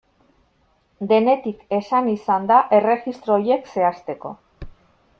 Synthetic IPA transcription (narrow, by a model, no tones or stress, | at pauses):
d̪e̞ne̞t̪ike̞sanisand̪aʔe̞re̞ɣist̪ɾo̞je̞kse̞ast̪e̞ko̞̰